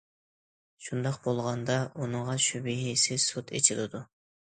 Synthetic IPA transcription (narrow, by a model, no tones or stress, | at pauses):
ʃund̪ɑqbolˠʁɑnd̪ɑʔunɨŋʁɑʃybɪɦisɪsot̪ʰḛt͡ʃʰilˠɪd̪u